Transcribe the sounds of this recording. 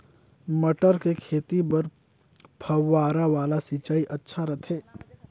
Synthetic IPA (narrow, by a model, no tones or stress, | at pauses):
məʈəɾkekʰeːt̪ibɐɾ | pʰɐwːaːɾaʋaːlasit͡ʃaːiʔɐtːʃʰaɾɐt̪ʰeː